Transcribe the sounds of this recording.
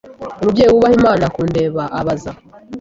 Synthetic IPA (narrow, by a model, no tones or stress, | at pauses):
omubɟeːjuwuβahimaːnakuːnde̞ːβaʔaβaza